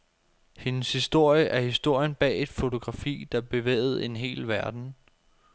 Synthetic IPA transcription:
he̝nəshisd̥o̝ɐ̰jəʔæɐhisd̥o̝ɐ̰jənb̥ɛ̰ːe̝d̥fo̝t͡sʰo̝ɡ̥ʁɑ̈fḭːd̥ɑ̈b̥e̝ʋḛːɪð̞̩ˠe̝nɦe̝̰ːlʋæɐd̥n̩

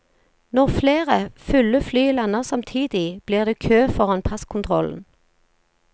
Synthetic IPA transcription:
nɔʁfleːʁəfʉləflyːlɑnəʁsɑmt̪ʰiːd̪ɪb̥liːʁd̪eːkʰøːfɔʁɑnpʰɑskʰʊnt̪ʰʁɔ̰ln̩

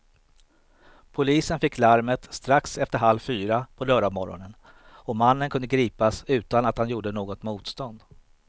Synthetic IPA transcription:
pʰʊliːsənfɪkʰːlaɾmət̪st̪ɾaksɛft̪əɾɦalvfyːɾapʰɔlœːɖamɔɾɔ̰nən | ɔmanːənkɵnd̪əɡɾiːpasʉ̟ːt̪anat̪hanjuːɖənoːɡɔt̪muːt̪st̪ɔnd̪

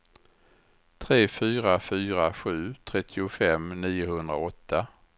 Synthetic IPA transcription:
t̪ʰɾeːfyːɾafyːɾaɧʉ̟ːt̪ʰɾɛt̪ʰːɪʊfɛmniːʊhɵnd̪ɾaɔt̪ʰːa

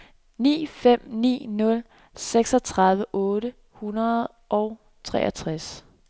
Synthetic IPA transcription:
nḭːfem̰nḭːnɔ̽l | seɡ̥sɒ̽t͡sʰʁɑ̈ð̞ˠʋəʔɔ̽ːɾə | hunɐð̩ˠ | ʔɒʊ | t͡sʰʁɛ̰ːʔɐt͡sʰʁas

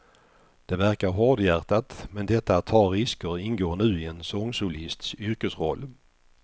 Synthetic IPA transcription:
d̪̥ɛvæɾkaɾɦɔd̪jæːɾt̪at̪mɛnd̪ɛt̪ːat̪ʰːɑɾɾɪskəɾɪnɡoːɳʉ̟ːɪɛnsɔŋsʊlɪst̪sʏɾkəsɾɔlː

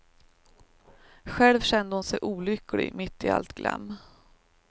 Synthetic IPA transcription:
ɧɛlvɕɛnd̪əhʊnsɛjʔuːlʏklɪ̰ɡmɪt̪ːɪa̰lt̪ɡlɛ̰mː

